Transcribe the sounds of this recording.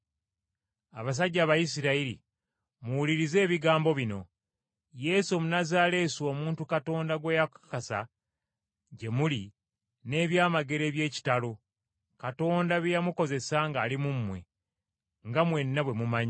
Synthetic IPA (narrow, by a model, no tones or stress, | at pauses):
aβas̬aɟːaːβajisiɾaiɾḭ | muwuliɾize̞ːβiɡaːmbo̞βino̞ | je̞ːsomunazaːle̞ːso̞ːmuːntukato̞ːndaɡwe̞ːjakḁkasa̰ | ɟe̞muli | ne̞ːβjaːmaɡe̞ɾe̞ːβje̞ːci̥talo̞ | kato̞ːndaβejamuko̞ze̞saŋɡaːlimumːwe̞̰ | ŋɡamwe̞nːaβwe̞mumaɲa